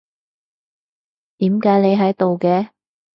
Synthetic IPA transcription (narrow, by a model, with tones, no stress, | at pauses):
t̪iː˨˥mkaː˨˥jne˨˧jɦɐ˨˥jt̪o˨wkɛː˧